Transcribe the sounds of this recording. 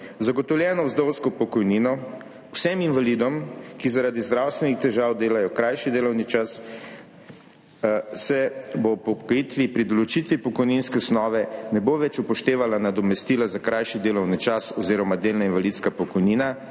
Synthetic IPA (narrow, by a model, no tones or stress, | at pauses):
zaɡɔt̪ɔwljɛːnɔwzd̪owskɔpɔkɔjninɔ | wsɛminʋalid̪ɔmkizaɾad̪izd̪ɾaːwst̪ʋɛnixt̪ɛʒaːwd̪eːlajɔkɾajʃid̪eːlɔwnit͡ʃas | sɛbopɔkjit̪ʋipɾid̪ɔlɔt͡ʃit̪ʋipɔkɔjninskɛsnɔːʋɛnɛboʋɛt͡ʃupɔʃt̪eːʋalanad̪ɔmɛst̪iːlazakɾajʃid̪eːlɔwnit͡ʃasɔziːɾɔmad̪eːlnainʋalit̪skapɔkɔjniːna